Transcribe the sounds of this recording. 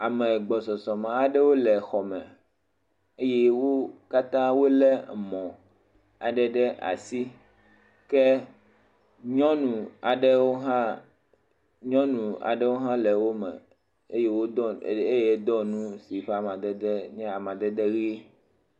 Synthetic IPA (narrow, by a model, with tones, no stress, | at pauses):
a˨mɛ˨ɡ͡bɔ˨sɔ˨sɔ˨mã˨a˨ɖɛ˦wo˦lɛ˨xɔ˨mɛ̰̃˨ | e˦je˦wo˦ka˦t̪ã˦wo˦lɛ˦˨mɔ̃˨ | a̰˨ɖɛ˨ɖɛ˦ʔa̰˨si˦ | kɛ˦ | ɲɔ̃˦nũ˨a˨ɖɛ˦wo˦ɦã˦ | ɲɔ̃˦nũ˨a̰˨ɖɛ˦wo˦ɦã˦lɛ˨wo˦mɛ̰̃˨ | e˦je˦wo˦ɔ˦e˦je˦d̪ɔ˦nũ˦si˨ɸa˦˨mã˨d̪ɛ˦d̪ɛ˦ɲɛ̃˦a˨mã˨d̪ɛ˦d̪ɛ˦ɣe˦